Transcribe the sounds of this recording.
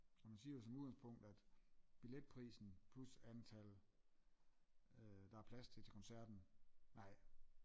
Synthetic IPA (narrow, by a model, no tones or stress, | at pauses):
ɒmænsiːɐjo̝s̬ɒ̽muðˠɡ̥ænspʰɔ̽ŋ̰d̥æd̥b̥iled̥̚pʰʁḭːsn̩pʰlusænt͡sʰæl | d̥ɑ̈æɐpʰlæst͡sʰe̝t͡sʰe̝kʰɒ̽nsæɐ̰d̥n̩nɑ̈ɪ̰